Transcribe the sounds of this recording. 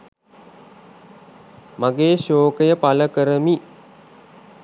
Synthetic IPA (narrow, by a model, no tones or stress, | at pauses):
maɡeːʃoːkəjəpaləkəɾəmi